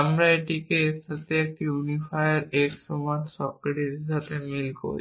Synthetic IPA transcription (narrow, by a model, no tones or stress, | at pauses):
amɾaeʈikeest̪ʰat̪eek̚ʈiunifajaɾeksumansɔkɾeʈiɾʃat̪emilko̰ɾḭ